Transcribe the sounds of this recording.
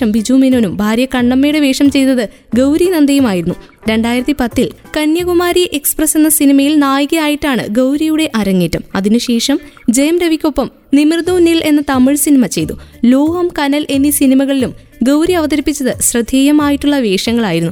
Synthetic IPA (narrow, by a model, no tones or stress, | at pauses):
ɐmʋid͡ʑuːminoːnumbʱaːɾjɐkɐɳːɐmːeːɽeʋe̞ːʂɐmt͡ɕe̞jt̪ɐðɨ | ɡɐwɾinɐnd̪ɐjumaːjiɾunːu | ɾe̞ɳɖaːjiɾɐt̪ːipɐt̪ːil | kɐnjɐɣumaːɾijeʔeksprɐse̞nːɐsinimɐjilnaːjɣɐjaːjiʈːaːɳɨ̰ɡɐwɾijuɽe̞ʔɐɾɐŋːiːtːɐmɐðinuɕe̞ːʂɐmd͡ʑejɐmɾeʋikʲːo̞pːɐm | nimird̪uːnilʔe̞nːɐt̪ɐmiɭsinimɐt͡ɕe̞jt̪ulo̞ːhɐmkɐnɐlʔe̞nːisinimɐɣɐɭilum | ɡɐwɾiɐʋɐðɐɾipːit͡ɕːɐðɨɕrɨd̪ʱːeːjɐmaːjiʈːuɭːɐʋe̞ːʂɐŋːɐɭaːjiɾunːu